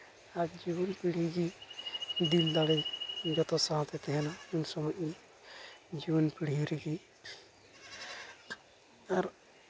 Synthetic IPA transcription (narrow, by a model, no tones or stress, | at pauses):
aɾd͡ʒibɔnpiɽɦiɡi | d̪ild̪aɽɛjɡɔt̪ɔsaɦt̪ɛt̪ɛɦɛnaunsɔmɔjin | d͡ʒibɔnpiɽɦiɾiɡi | aɾ